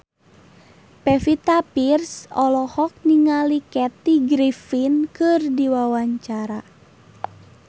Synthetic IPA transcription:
pɛfit̪apirsɔlɔhɔk̚niŋalikɛt̪iɡɾifinkɨrdiwawaɲt͡ʃaɾa

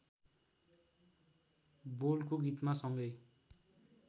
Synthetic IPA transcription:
bolkoɡit̪masʌŋɡʌj

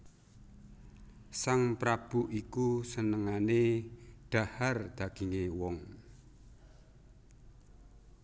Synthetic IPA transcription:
saŋpɾab̥uʔikusənəŋaneɖ̥a̤hard̪̥ä̤ɡ̥iŋewɔŋ

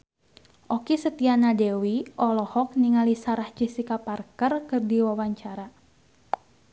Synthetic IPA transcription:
ʔɔkisət̪ianadɛwiʔɔlɔhɔk̚niŋalisaɾahd͡ʒisikaparkərkɨrdiwawaɲt͡ʃaɾa

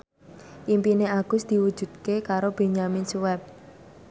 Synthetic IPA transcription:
ʔimpineaɡ̥ʊ̤sd̪̥i̤wud̥ʒ̥ṳd̪̚kekaɾob̥e̤ɲamɪnsuwɛp̚

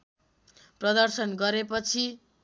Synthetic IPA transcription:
prʌd̪ʌrsʌnɡʌɾepʌt͡sʰi

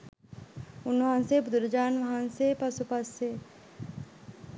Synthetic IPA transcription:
unːʋɐɦãnseːbud̪uɾɐd͡ʒaːnʋɐɦanseːpɐsupɐse

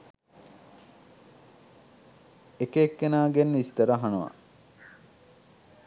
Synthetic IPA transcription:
ekeːkːenaːɡenʋist̪ɐɾəɦanuʋɐ̰

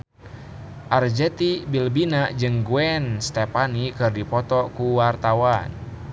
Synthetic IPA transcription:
ʔard͡ʒɛt̪ibilbinad͡ʒɨŋɡuɛnst̪ɛpanikɨrdipɔt̪ɔkuwart̪awan

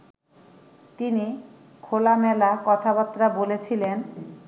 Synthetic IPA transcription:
t̪ini | kʰolamɛlakɔt̪ʰabat̪ːɾabolet͡ɕʰilen

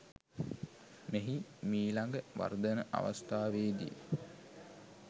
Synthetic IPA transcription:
meɦimiːlaŋɡəʋa̰rd̪ənəʔa̰ʋa̰st̪aːʋeːd̪ḭjə

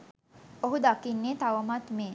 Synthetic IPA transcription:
oɦud̪akinːeːt̪aʋəmat̪meː

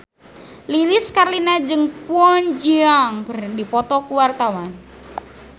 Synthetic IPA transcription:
liliskarlinad͡ʒɨŋpuɔnd͡ʒiaŋkərdipɔt̪ɔkuwart̪awan

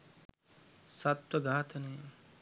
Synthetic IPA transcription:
sɐt̪wɐɡaːt̪ʰɐne

